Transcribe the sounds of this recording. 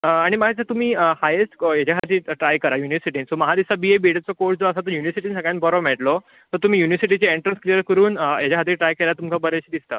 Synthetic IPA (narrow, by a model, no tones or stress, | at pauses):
əaɽ̃imaɦet͡sət̪um̤iːhajesʈjet͡ɕaɦat̪iːʈɾajkəɾajuniʋəsiʈiːnsoməɦad̪isabiebiɽət͡sɔkoɾd͡zoəsat̪əɾjuniʋəsiʈiːnsəɡɭjãnbɔɾɔʋmɛʈlɔ | t̪əɾt̪um̤iːjuniʋəsiʈ̬it͡ɕeeɳʈɾənskɾijəɾkəɾuːnjet͡ɕaɦat̪iːʈɾajkeljat̪umkʰabəɾeɕed̪ist̪ə